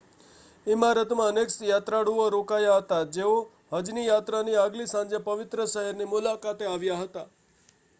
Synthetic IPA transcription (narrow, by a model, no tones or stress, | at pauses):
ɪmaɾət̪mãəneksjat̪ɾaɽuoɾokajaɦət̪ad͡ʒeo | ɦəd͡ʒnijat̪ɾaniaɡlisãnd͡ʒepəʋɪt̪ɾəʃəɦəɾnimʊlakat̪eaʋjaɦət̪a